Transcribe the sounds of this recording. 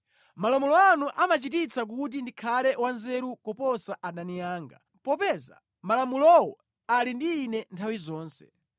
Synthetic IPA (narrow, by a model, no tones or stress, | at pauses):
malamulɔanuʔamat͡ʃitit͡sʰak̬ut̬indikʰalɛwanzɛɾukɔpɔsaʔaɗanijaːŋɡa̰ | pɔpɛːza̰ | malamulɔwɔ | alindiːnɛntʰawizɔːnsɛ̥̰